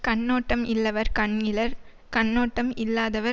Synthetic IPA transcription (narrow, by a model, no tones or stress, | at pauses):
kɐɳːoːʈːɐmɪlːɐʋɐɾkɐɳɪlɐɾ | kɐɳːoːʈːɐmɪlːaːðɐʋɐ